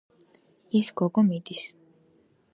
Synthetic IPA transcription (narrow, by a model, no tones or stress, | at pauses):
isɡɔɡɔmid̪is